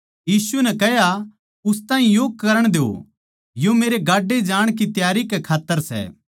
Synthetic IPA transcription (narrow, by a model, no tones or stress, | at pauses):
jiːsunɛkɛɦja | ʊst̪ãːĩjoːɡ̚kɐɾəɽ̃d̪eo̰ | jomeːɾeɡaːɖːed͡ʒaːɽ̃kit̪jaːɾikekʰaːt̪ːəɾsɛ̰